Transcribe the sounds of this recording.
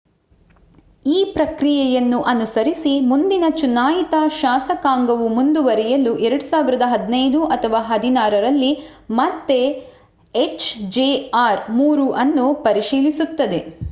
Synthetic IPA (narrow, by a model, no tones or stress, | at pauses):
iːpɾɐkɾijɛjɐnːuʔɐnusɐɾisimund̪inɐt͡ʃunaːjit̪aʃaːsɐkaːŋɡɐʋumund̪uʋɐɾɛjɐluʔɛɾɐɽusaːʋiɾɐd̪ɐɦɐd̪nɐjd̪uʔɐt̪ʰɐʋaːɦɐd̪inaːɾɐɾɐlːi | mɐt̪ːe | et͡ʃd͡ʒeːaːɾmuːɾuʔɐnːupɐɾiʃiːlisut̪ːɐd̪e̞